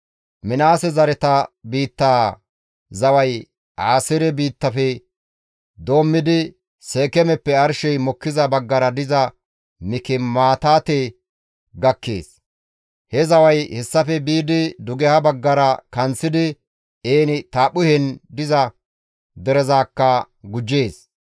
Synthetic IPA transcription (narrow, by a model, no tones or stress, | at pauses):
mɪnaːsɛzɐɾɛt̪ɐbiːt̪ːaː | zɐwɐj | ʔaːsɪɾɛbiːt̪ːɐfɛ | d̪o̞ːmːɪd̪ɪ | seːkɛmɛpːɛɐɾʃɛjmɔkːɪzɐbɐɡːɐɾɐd̪ɪzɐ | mɪkɪmaːt̪aːt̪eː | ɡɐkːe̞̰ːs | hɛzɐwɐjhɛsːɐfɛbiːd̪ɪd̪ʊɡɛhɐbɐɡːɐɾɐkɐnt͡sːɪd̪ɪ | eːnɪt̪aːpːʊhɛnd̪ɪzɐ | d̪ɛɾɛzaːkːɐ | ɡʊd͡ʒːe̞ːs